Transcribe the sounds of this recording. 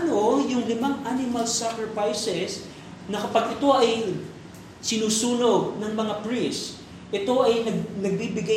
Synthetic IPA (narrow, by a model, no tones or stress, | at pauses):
nojʊŋlɪmaŋʔanɪmɐlsakɹɛfajsɛs | nɐkɐpaɡɪt̪o̞ʔɐj | sɪnuːsuːnonɐŋmɐŋapɹis | ʔɛt̪o̞ʔɐjnɐɡnɐɡ̚bibɪɡa